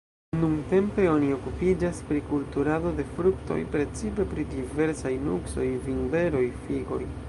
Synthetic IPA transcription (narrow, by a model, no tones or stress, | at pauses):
nuŋte̞mpe̞o̞nio̞kupid͡ʒaspɾikultuɾado̞de̞fɾukto̞̰jpɾe̞t͡sipe̞pɾidive̞ɾsajnukso̞jvinbe̞ɾo̞jfiɡo̞̰j